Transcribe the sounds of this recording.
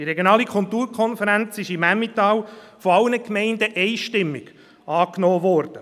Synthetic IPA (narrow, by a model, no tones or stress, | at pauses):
d̥iɾɛɡjonɑːlikʰʊlt̪uːɾkʰɔnfəɾænt͡sɪʃimæmːit̪ɑːw | fɔɑlnəkmɛɪndəʔɛɪʃtɪmːɪɡ̥ | ɑːknɔːʋɔɾd̥ə